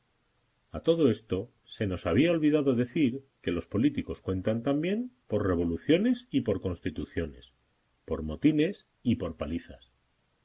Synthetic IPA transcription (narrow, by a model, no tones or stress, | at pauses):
at̪o̞ð̞o̞e̞st̪o̞ | se̞no̞saβiao̞lβiðaðo̞ðe̞θiɾke̞lo̞spo̞lit̪iko̞skwe̞nt̪ant̪ambje̞mpo̞ɾre̞β̞o̞luθjo̞ne̞sipo̞ɾko̞nst̪it̪uθjo̞ne̞̰s | po̞ɾmo̞t̪ine̞s | ipo̞ɾpaliθa̰s